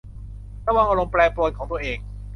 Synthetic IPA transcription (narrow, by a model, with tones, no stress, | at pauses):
tɛː˥˩waː˥˩ma˧lo˧ŋplɛː˧plo˧nkʰɔː˨˩˦t̪u˧əʔeː˧ŋ